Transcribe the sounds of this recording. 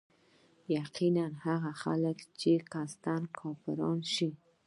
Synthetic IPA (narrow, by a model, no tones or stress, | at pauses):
jaqinanhaɣaxa̰ləkt͡ʃekast̪ankʰɔpɪɾɑ̰nʃi